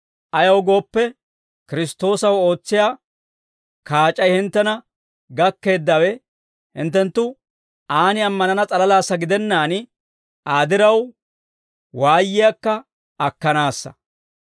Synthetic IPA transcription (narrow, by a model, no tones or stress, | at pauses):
ʔɐjɐwɡo̞ːpːɛ | kɪɾɪst̪o̞ːsɐwo̞ːt͡sːɪjaː | kaːt͡ʃʼːɐjhɪnt̪ːɛnɐ | ɡɐkːe̞ːd̪ːɐwɛ | hɪ̰nt̪ːɛnt̪ːʊ | aːnɪɐmːɐnɐnɐt͡sʼɐlɐlaːsːɐɡɪd̪ɛnːaːn | ʔaːd̪ɪɾɐw | waːjːɪjakːɐ | ɐkːɐnaːsːɐ̥̰